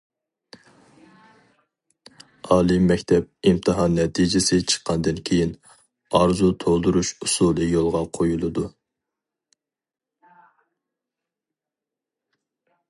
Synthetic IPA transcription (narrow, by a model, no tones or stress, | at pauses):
ɑːlˠɨmːɛkʲt̪ʰɛp̚imt̪ʰɨɦɑnːɛt̪ʰid͡ʒɪsɪt͡ʃʰə̥qʰːɑnd̪ɨnkʲʰejin | ɑɾzut̪ʰolˠd̪uɾuʃusulˠɨjolˠʁɑqʰojulˠɨd̪u